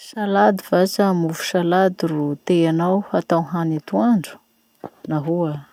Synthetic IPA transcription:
salad̪ivat͡samuvu̥salad̪irut̪eanawhat̪awɦanit̪uaɳɖ͡ʐu̥ | naɦua

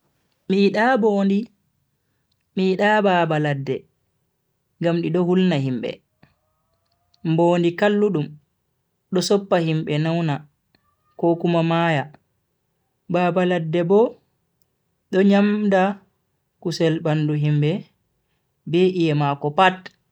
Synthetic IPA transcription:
miɗabɔndi | miɗabaːbaladːɛ | ŋɡamɗiɗɔhulnahimbɛ̰ | mboːndikalːuɗum | ɗɔsɔpːahimɓɛnawna | kokumamaja | baːbaladːɛbɔ | ɗɔɲamda | kusɛlbanduɦimbɛ | beʔijɛmakɔpat

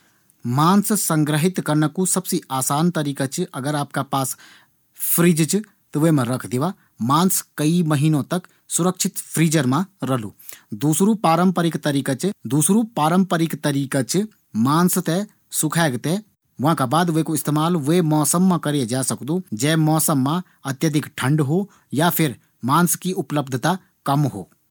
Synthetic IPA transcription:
maːnssə̃ŋɡɾəɦɪt̪kɐɾnakusɐbsiaːsaːnt̪ɐɾiːkat͡ʃʔɐɡəɾaːp̚kapaːs | pʰɾiːd͡ʒt͡ʃ | t̪ʋemãɾɐkʰd̪ɪʋa | maːnskɐiməɦiːnõt̪ɐk | sʊɾəkʃʰɪt̪pʰɾiːd͡ʒəɾmãɾɐlṵːd̪uːsɾupaːɾəmpəɾɪkt̪ɐɾiːkat͡ʃd̪uːsɾupaːɾəmpəɾɪkt̪ɐɾiːkat͡ʃ | maːnst̪ɛ | sʊkʰaːɡt̪e | ʋʊãːkabaːd̪ʋeːkoɪst̪eːmaːlʋemɔːsəmːãkɐɾed͡ʒaːsɐkd̪od͡ʒɛːmɔːsəmːã | ɐt̪jəd̪ʱɪkʈʰə̃ɳɖɦo | japʰɪɾ | maːnskiʊpləbd̪ʱt̪a | kɐmɦo̰ː

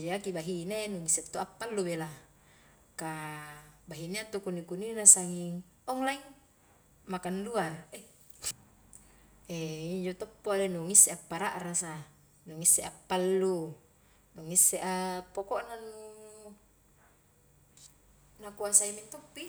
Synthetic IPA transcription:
d͡ʒeakibaɦinenuŋiset̪ːoʔapːalːubela | ka | baɦineat̪ukunikuninasaŋiŋ | ɔŋlaiŋ | makanduar | eiɲd͡ʒot̪ɔpːolenuŋisːeapːaɾaʔɾasa | nuŋisːeʔapːalːu | nuŋisːeʔapːokoʔnanu | nakuasaimit̪opːi

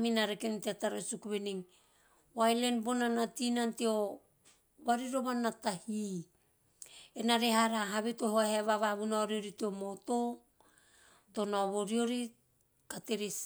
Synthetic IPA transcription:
minaɾekenteataɾosukuβeniŋ | wajle̞nbonanatinanteo | βaɾiɾoβanːatahi | enaɾeɦaɾaɦaβetohoheβaβaβunaɾioɾitiomoto | to̞naβoɾio̞ɾi | kateɾis

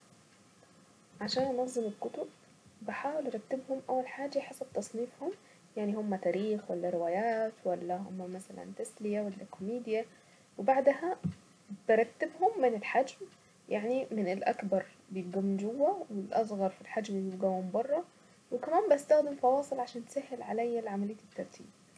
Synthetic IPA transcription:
ʕaʃaːnʔnɑxzɪmɪlkʊt̪ʊb | bɪħaːwɪlʔɑɾˤɑkt̪ːɪbhʊmʔæwːalħaːd͡ʒaħesɑb̥̚t̪ɑsˤniːfhʊm | jaʕnihʊmːæt̪æːɾiːxwalːæɾɪwaːjaːt̪wælːæhʊ̰mːæmæsælæ̰nt̪aslɪjawalːæ̰kʰomiːd̪ja | wɪbaʕd̪hæ | b̥ɪɾˤɑk̚t̪ːɪbhʊmːɪnɪlħad͡ʒm | jaʕnimɪnɪlʔakbɑɾˤ | bjɪt̪̚ɡʊmːd͡ʒʊwːawɪlʔɑs̬ˤɣɑɾˤfilħad͡ʒmlijɪbɡawhʊmbɑrˤːɑ | wɪkamaːmbɪʔast̪axd̪ɪmfɑwɑːsˤɨlʕaʃaːnt̪sahːɪlʕalajːalʕamalɪj̪ːɪt̪ːɑɾˤt̪ʰḭːb̚

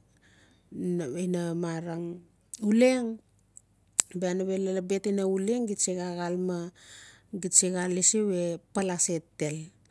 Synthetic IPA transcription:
inamaɾaŋ | uleŋ | beanaβelelabetinauleŋɡisiɡaɣalma | ɡisiɡalːisiwe̞palasetːe̞l

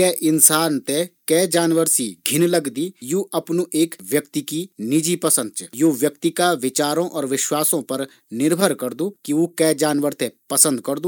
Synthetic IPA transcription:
kɛːʔɪnsaːnt̪ɛkɛːd͡ʒaːnʋəɾsiɡʱɪnlɐɡd̪ijuʔɐpnuʔeːkʋjəkt̪ikinɪd͡ʒipɐsə̃nd̪̚t͡ʃjuːʋjək̚t̪ikaʋɪt͡ʃaːɾõʔɔːɾʋɪʃwaːsõpɐɾ | nɪɾbʱəɾkɐɾd̪uːkiʋokɛːd͡ʒaːnʋəɾt̪ʰɛpɐsə̃nd̪kɐɾd̪uː

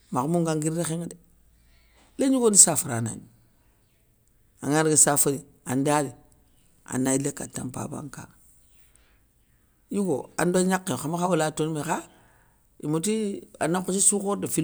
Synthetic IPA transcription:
mamuŋɡaŋɡiɾexeŋde | leɲuɡonisafaɾana̰n | a̰ŋaɾɡisafadi | andadi | a̰nːailekːatːa̰mpa̰ba̰ŋka̰ | juɡo̰a̰ndoɲakːexamaxawulatonmexa | ḭmotia̰nakut͡ʃisukodafi

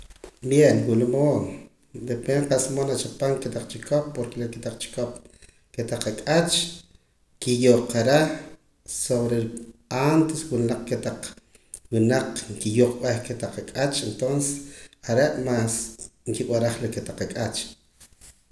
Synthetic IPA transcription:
bjenwulamoːn | d̪epeɴqasmonat͡ʃapaŋket̪aq͡χt͡ʃikop̚ːoɾkeleket̪aq͡χt͡ʃi̥kop | ket̪aqakʼat͡ʃ | kijoqaɾa | soβɾeant̪eswinaq͡χket̪aq͡χ | winaq͡χŋkijoqɓahket̪aqakʼat͡ʃent̪onsesaɾeʔmaːsŋkiwaɾaχleket̪aqakʼat͡ʃ

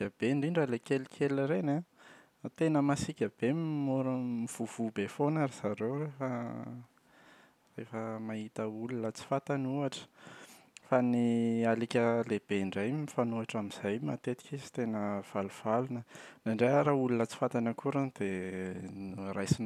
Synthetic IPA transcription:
ab̥eɳɖ͡ʐiɳɖ͡ʐalekelikʲʰeliɾena | t̪enəmasikʲab̥emmoɾmiv̥uv̥ubefonaɾiz̥aɾewrefə | refəmaɦit̪əulunət͡si̥fat̪anuaʈ͡ʂə̥ | fanialikʲəleb̥eɳɖ͡ʐajmifanuaʈ͡ʂamiz̥ajma̰t̪et̪i̥kisi̥t̪enəv̥aluv̥alunənaɳɖ͡ʐeaɾaulunət͡si̥fat̪anəkuɾand̪̥e | rajsin

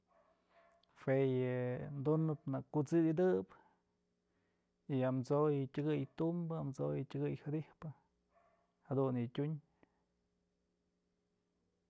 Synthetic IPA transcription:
fejɨnd̪unɨpnɨkːut͡sɨjd̪ɨp | iamt͡sojɨtʲɨɡɨjt̪umbɨamt͡sojɨtʲɨɡɨjhɨd̪ihpɨ | had̪unjɨtʲuɲ

